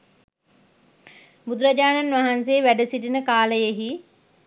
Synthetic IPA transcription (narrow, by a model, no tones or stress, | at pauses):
bud̪ɾəd͡ʑaːnɐnʋaɦanseːʋæɖəsiʈinəkaːləjeɦi